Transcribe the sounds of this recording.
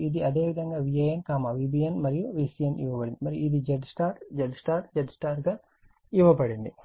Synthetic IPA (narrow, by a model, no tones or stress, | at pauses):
id̪iɐd̪eːʋid̪ʱɐŋɡaːʋiɐjɐnkaːmaːʋibiɐnmɐɾijuʋiːsijɐnḭʋɐpɐɽind̪imɐɾijuid̪id͡ʒeɖsʈaːɾd͡ʒeɖsʈaːɾd͡ʒeɖsʈaːɾɡaː | iʋɐpɐɽind̪i